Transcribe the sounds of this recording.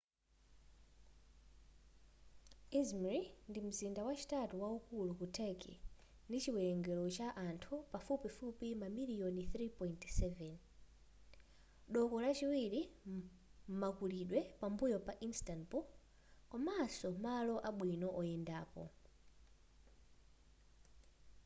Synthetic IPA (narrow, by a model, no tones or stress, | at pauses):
izmaɹindim̩zindawat͡ʃi̥tatuwaukulukutʰɛkḭ | ndit͡ʃiwɛɛŋɡɛlɔt͡ʃaʔantʰupafupifupimamiliɔniθɾipɔintsɛvɛn | ɗɔkɔlat͡ʃiwiɾi | m̩makuliɗwɛpambujɔpaʔinstanpu | kamasɔmalɔʔaɓwinɔʔɔjɛndaːpɔ̰